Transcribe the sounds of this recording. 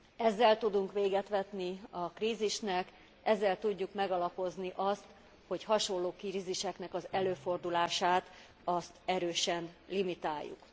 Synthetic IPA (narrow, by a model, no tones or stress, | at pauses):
ɛzːɛlt̪ud̪uŋkʋeːɡɛt̪ʋɛt̪niɒkriːziʃnɛk | ɛzːɛlt̪uɟːukmɛɡɒlɒpo̞zniʔɒst̪ | ho̞chɒʃo̞nlːoːkiɾiziʃɛknɛkɒzɛløːfo̞rd̪ulaːʃaːt̪ | ɒst̪ɛɾøːʃɛnlimit̪aːjːṵk